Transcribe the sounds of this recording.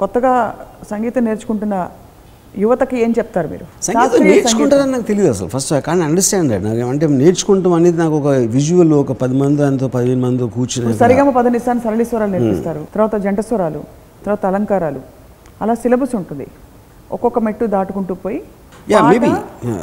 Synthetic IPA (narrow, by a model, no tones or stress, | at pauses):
kɔt̪ːɐɡaːsɐŋɡiːt̪ɐneːɾt͡ʃu̥kuɳʈunːɐ | juʋɐt̪ɐkie̞ːɲt͡ʃɛp̚t̪aːɾumḭːɾusɐŋɡaːiɐneːɾt͡ʃukuɳʈaɾɐːninaːkut̪elid̪uɐsɐ̰lpʰɐsʈakaːniɐɳɖɐɾsʈaːɳɐ̰ɽna̰ːkeːmɐɳʈ̬eneːɾt͡ʃu̥kuɳʈumɐneːd̪inaːkuɔkɐʋid͡ʒuʋɐlɔkɐpɐd̪imɐnd̪iɐnt̪oːpɐd̪iʋenumɐnd̪it̪okuːɾt͡ʃinɐsɐɾiɡɐmɐpɐd̪ɐnisaːnisɐɾɐliːsʋɐɾaːluniɾpist̪aːɾut̪ɐɾʋaːt̪ɐd͡ʒɐɳɖɐsʋɐɾaːlṵ | t̪ɐɾʋaːt̪ɐlɐŋkaːɾaːlṵ | ɐlaːsilɐbɐsuɳʈund̪ḭ | ɔ̰kːɔkːɐmeʈːud̪aːʈukuɳʈuːpoːji | jaːaːmeːbḭ